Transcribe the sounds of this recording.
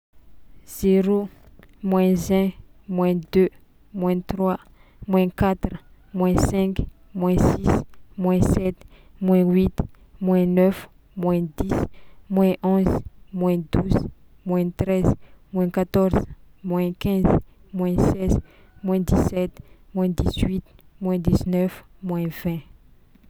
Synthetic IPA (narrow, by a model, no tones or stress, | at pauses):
z̥eɾo | mwɛ̃zɛ̃mwɛ̃d̪ø | mwɛ̃t̪rwa | mwɛ̃kat̪ɾə | mwɛ̃sɛ̃kmwɛ̃sismwɛ̃sɛt̪ | mwɛ̃wit̪ | mwɛ̃nœf | mwɛ̃d̪ismwɛ̃ʔɔ̃zmwɛ̃d̪uz | mwɛ̃t̪ɾɛzmwɛ̃kat̪ɔɾz̥ | mwɛ̃kɛ̃z | mwɛ̃sɛz | mwɛ̃d̪isɛt̪mwɛ̃d̪izwit̪ | mwɛ̃d̪iznœf | mwɛ̃vɛ̃